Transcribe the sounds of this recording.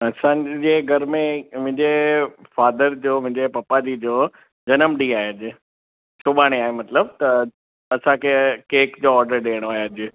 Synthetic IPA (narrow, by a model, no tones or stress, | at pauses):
ɐsãd͡ʑeːɡʱɐɾmẽmʊ̃ɦɪ̃ɲd͡ʑefaːd̪əɾd͡ʑoːmʊ̃ɦɪ̃ɲd͡ʑepɐpad͡ʑid͡ʑoː | d͡ʑɐnəmɗiaːɦed͡ʑɪ | sʊɓaːɽ̃eaːɦemɐt̪ləb̚t̪ɐ | ɐsãkʰekeːkd͡ʑoːɔːɾɖəɾɗeːəɽ̃aːɦjɐd͡ʑɪ